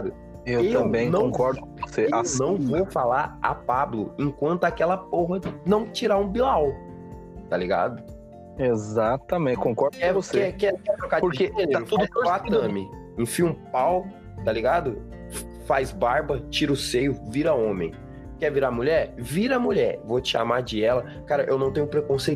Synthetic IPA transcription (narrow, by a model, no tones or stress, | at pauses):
ad̪ʊ | ewteɐ̃mbẽj̃nɐ̃wõkɔɾd̪ʊkõvoseannɐ̃w̃vowfalaɾa̰pablʊẽŋkwɐ̃nt̪ʊakɛlɐpoɦɐnɐ̃w̃t͡ʃiɾaɾũbilaw | t̪aliɡa̰d̪ʊ | ezat̪ɐmẽt͡ʃkõkɔɾd̪ʊkɛ̃voseɛkɛkɛt̪ɾokapoɾkeeat̪ud̪ʊat̪ɐ̃mɪ | ẽfĩũpaw | t̪aliɡad̪ʊ | fazbaɾbɐt͡ʃiɾʊsejʊviɾɐõmẽj̃ | kɛviɾamuʎɛɾviɾɐamuʎɛɾvot͡ʃɪa̰maɾd͡ʒɪɛlɐ | kaɾɐʔḛwnɐ̃w̃t̪ẽɲʊ̃pɾekõsej